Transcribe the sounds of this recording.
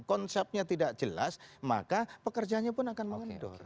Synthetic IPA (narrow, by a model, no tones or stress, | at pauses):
kɔnsɛp̚ɲat̪idaʔ̚d͡ʒəla̰sma̰kapəkərd͡ʒanɲapʊnakanməŋəndɔ̰r